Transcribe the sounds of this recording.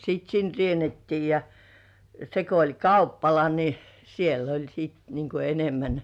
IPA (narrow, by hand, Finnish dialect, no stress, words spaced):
sit sin rienetːiː jɑ se ko olʲ kɑupːɑlɑ ni siel olʲ siːt niŋ ku enemːæn